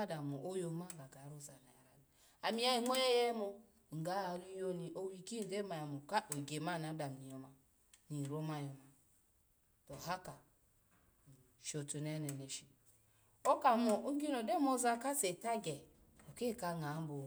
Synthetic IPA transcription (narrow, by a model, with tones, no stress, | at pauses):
a˦da˨mo˨ʔo˦jo˨˦ma˦ɡa˨ɡa˨˦ɾu˦˨za˨na˨ja˨ɾa˨ni˨ | a˨mi˦ja˨i˨ŋʷo˦je˦je˦mo˨ | ŋ̩˨ɡa˦a˨ɾi˦jo˦ni˨ʔo˨wi˨ki˦˨ɡe˦ma˨ja˨mo˨ka˦ʔo˨ɡe˨ma˦˨na˨˦da˨m˨ni˨jo˨ma˨ | ni˨ɾo˦ma˦˨jo˨ma˨ | to˨ɦa˦ka˨ | ʃo˨tu˨ne˦ne˨ne˨ʃi˨ | o˦ka˨mo˨o˦ɡi˦no˨de˦mo˦za˦ka˦se˨ta˦ɡe˨ | o˨ke˦˨ka˦ŋa˨˦bo˨